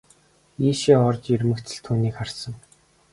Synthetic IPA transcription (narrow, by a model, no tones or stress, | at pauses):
iːʃiːɔrt͡ɕɵrʲmɘ̆kt̪ʰɘ̆ɮt̪ʰuːniːkχarsə̆ŋ